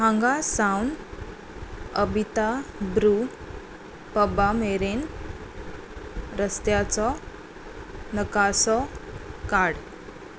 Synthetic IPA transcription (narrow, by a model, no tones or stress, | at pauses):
ɦãŋɡasawn | əbʱit̪abɾu | pəbameɾen | ɾəst̪jat͡sɔ | nəkasɔkaɽ